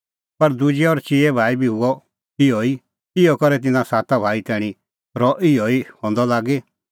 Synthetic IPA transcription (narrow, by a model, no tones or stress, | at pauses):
pɐɾd̪ud͡ʒɛɔːɾt͡ʃiɛbʱaːibʱiɦʊɔ | ɪɔi | ɪjɔkɔɾɛt̪ɪnãsaːt̪abʱaːit̪ɛːɽ̃ĩ | ɾɔʔɪɔihɔ̃ːnd̪ɔlaːɡe